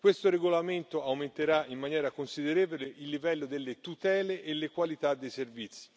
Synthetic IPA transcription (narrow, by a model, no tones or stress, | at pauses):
kwest̪oɾeɡolament̪oawment̪eɾaimːanjɛːɾakonsid̪eɾeːvoleʔilːivɛlːod̪elːet̪ut̪ɛːleʔelːekwalit̪ad̪ːejservit̪sːi̥